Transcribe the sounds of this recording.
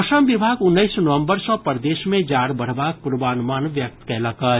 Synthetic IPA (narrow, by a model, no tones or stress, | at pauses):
ʃəmʋɪbʱaːɡʊnːəɪsnəʋə̃mbəɾsɔ̃pəɾd̪eːʃmẽd͡ʒaːɾbəɽ̤baːk̚pʊɾbaːnmaːnʋjək̚t̪kɛːləkə